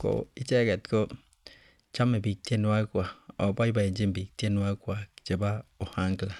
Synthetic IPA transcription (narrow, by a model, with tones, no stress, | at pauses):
ko̰˦i˦t͡ʃe˦ke˨tko˦ | t͡ʃa˦me˨bi˨k̚te˦n˦a˦kʷa˨o˨ba˦i˦ba˨e˨˦d͡ʒi˦m˨bi˨k̚te˦n˦a˦kʷa˨d͡ʒe˨ba˦o˨ha˦ŋ˦kla˨